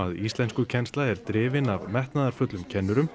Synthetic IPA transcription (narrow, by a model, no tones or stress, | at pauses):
aðist̪lɛnskʏcʰɛnst̪laɛɾt̪ɾɪːvɪnavmɛht̪naðaɾ̥fœt̪lʏmcʰɛnːʏɾʏm